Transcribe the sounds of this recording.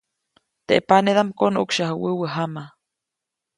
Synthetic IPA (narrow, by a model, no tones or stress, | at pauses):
t̪eʔepaneðamkonʔṵkʃahəwəwəɦama